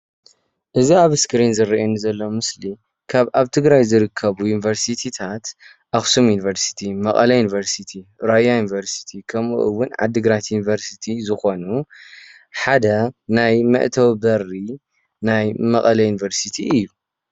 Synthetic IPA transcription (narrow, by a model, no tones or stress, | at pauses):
ʔɨziaβɨskɨɾinzɨɾiʔenzɐlːomɨsli | kʰaβʔaβt̪ʰɨɡɾajzɨɾɨkʰːɐβujunivɐɾsit̪ʰit̪ʰat̪ | ʔaxsumjunivɐɾsi̥t̪ʰimɐkʼɐlɐjunivɐɾsit̪ʰiɾajajunivɐɾsi̥t̪ʰikʰɐmṵʔɨwʊnʕa̰d̪ːɨɡɾat̪junivɐɾsit̪ʰizɨxo̞nu | ħad̪ɐnajmɐ̰ʔt̪ʰɐwbɐrːi | najmɐkʼɐlɐjunivɐɾsit̪ʰiɨjːu